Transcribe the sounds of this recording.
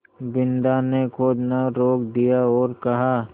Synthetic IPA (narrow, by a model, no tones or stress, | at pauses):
bɪnd̪anekʰoːd̪naɾoːkd̪ijaɔːɾkɐɦa